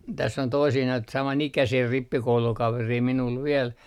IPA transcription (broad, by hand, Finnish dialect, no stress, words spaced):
tæsː on toisiː noit sɑmɑnikæsiː ripːikoulukɑʋeriː minul ʋiel